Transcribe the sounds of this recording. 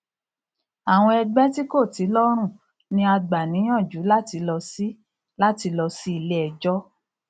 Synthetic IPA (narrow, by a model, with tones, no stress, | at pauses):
a˨w̃ɔ̃˧ɛ˧ɡ͡bɛ˦ti˦ko˦˨ti˨˦lɔ˦ɾ̃ũ˦˨ | nĩ˧a˧ɡ͡ba˨nĩ˨˦j̃ɔ̃˦˨d͡ʒu˨˦la˦ti˧lɔ˧si˦ | la˦ti˧lɔ˧si˦i˦˧˨le˦ɛ˧d͡ʒɔ˦